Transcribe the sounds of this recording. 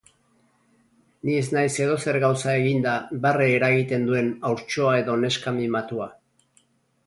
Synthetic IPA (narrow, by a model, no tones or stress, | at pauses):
nie̞znajse̞ð̞o̞se̞ɾɣawsae̞ɣind̪abareːɾaɣit̪e̞nd̪ue̞nawɾt͡ʃo̞ae̞ðo̞ne̞skamimat̪ua